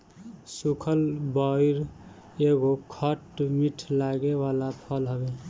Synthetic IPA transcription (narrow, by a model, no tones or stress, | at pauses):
sukʰəlbɔiɾ | eɡokʰəʈmiʈʰlaɡewalapʰəlɦəbe